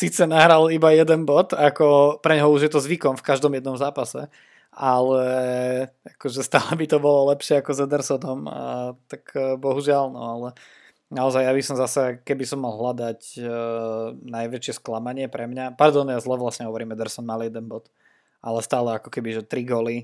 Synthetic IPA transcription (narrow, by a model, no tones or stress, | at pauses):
sit͡sɛnaɦɾalibajɛd̪ɛnbɔt̪akɔpɾɛɲɦɔuʒjɛt̪ɔzʋikɔmfkaʒd̪ɔmjɛd̪nɔmzaːpasɛ̰ | alɛ | akɔʒɛst̪aːlɛbit̪ɔbɔlɔlɛpʃɪɛakɔzɛd̪ɛɾsɔnɔmt̪akbɔɦuʒɪalnɔ̰alɛ | naɔzajjabisɔmzasɛkɛbisɔmːalˠɦlad̪ac | najʋɛt͡ʃɪɛsklamaɲɪɛpɾɛmɲapaɾd̪ɔnjazlɛʋlasɲɛɦɔʋɔɾiːmɛd̪ɛɾsɔnmaljɛd̪ɛnbɔt̪ | ʔalɛst̪aːlɛakɔ̥kɛbiʒɛt̪ɾiɡɔli